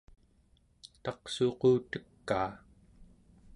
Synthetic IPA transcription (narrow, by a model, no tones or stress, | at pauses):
t̪ɑqsoquːt̪ə̥kːaː